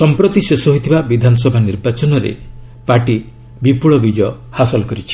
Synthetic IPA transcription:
sɔmpɾɔt̪isesɔɦojt̪ʰibabid̪ʱanɔsɔbʱaniɾbat͡ʃɔnɔɾḛ | paʈi | bipuɭɔbid͡ʒɔ | hasɔlɔkɔɾit͡ʃʰi̥

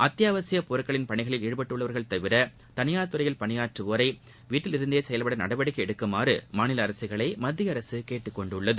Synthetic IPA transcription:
ʔɐt̪ːjaːʋɐsɪjɐpɔɾɯkːɐɭɪnpɐɳɪɣɐɭɪliːɽɯpɐʈːɯɭːɐʋɐɾɣɐɭt̪ɐʋɪɾɐ | t̪ɐnɪjaːt̪ːɯɾɐɪjɐlpɐnɪjaːʈrɯʋoːɾɐɪ | ʋiːʈːɪlɪɾɯnd̪ejɐsɛjɐlpɐɽɐnɐɽɐbɐɽɪkːɐɛɽɯkːɯmaːrɯmaːnɪlɐːɾɐsɯɣɐɭɐɪmɐd̪ːɪjɐɾɐsɯkeːʈːɯkːɔɳɖɯɭːɐðɯ

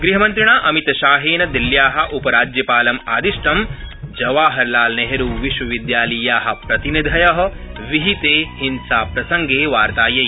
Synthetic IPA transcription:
ɡɾiɦɐmɐ̃nt̪ɾiɳaːʔɐmit̪ɐʃaːɦeːnɐd̪iljaːɦɐ̆ʔupɐɾaːd͡ʒjɐpaːlɐmaːd̪iʃʈɐmd͡ʒɐʋaːɦɐɾlaːlneɦɐɾuːʋiʃwɐʋid̪jaːlɐjaːɦɐ̆pɾɐt̪inid̪ʱɐjɐɦɐ̆ | ʋiɦit̪eːhinsaːpɾɐsɐŋɡeːʋaːɾt̪aːjɐj

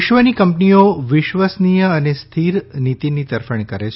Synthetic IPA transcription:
ʃʋənikəmpnijoʋɪʃʋəsnijəənest̪ʰiɾnit̪init̪əɾfəɳ̃ikəɾet͡ʃʰ

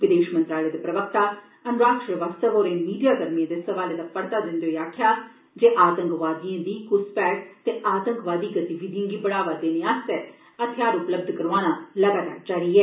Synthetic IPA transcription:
ʋɪd̪eːʃmə̃nt̪ɾaːleːd̪epɾəʋək̚t̪aː | ənʊɾaːkʃɾəʋaːst̪əʋoːɾeːmiːɖijaːkəɾmijãːd̪eːsəʋaːleːd̪aːpəɽt̪aːd̪ɪ̃nd̪eoiaːkʰjaː | d͡ʒeːʔaːt̪ə̃ŋkʋaːd̪ijãːd̪iːkʊspɛːʈ̚t̪eːʔaːt̪ə̃ŋkʋaːd̪iːɡət̪iʋiːd̪iãːɡiːbəɽ̃aːʋaːd̪eːneãːst̪ɛː | ət̪ʰɪjaːɾʊpləb̚d̪ʱkəɾãːñaːləɡaːt̪a̰ːɾd͡ʒaːɾiːɛː

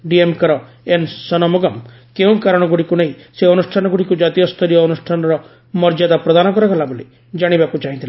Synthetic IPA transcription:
ɖiemkaɾɔ | ensɔnɔmɔɡɔm | keũkaɾɔɽ̃ɔɡuɽikunaɦĩseɔnusʈʰanɔɡuɽikud͡ʒat̪iɔst̪ʰɔɾijɔːnusʈʰanɔɾɔ | mɔɾd͡ʒad̪apɾɔd̪anɔkɔɾɔɡalaboli | d͡ʒaɽ̃ibakut͡ʃaɦĩt̪ʰile

